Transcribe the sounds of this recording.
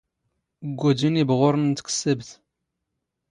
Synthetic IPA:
ɡʷːud͡ʒinibʁoɾˤənt̪kə̥sːəbθ

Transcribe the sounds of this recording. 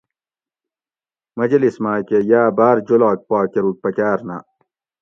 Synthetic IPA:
mɐd͡ʑɐlismaːkejaːbaːɾd͡ʑolaːk̚paːkeɾuk̚pɐkaːɾna̰

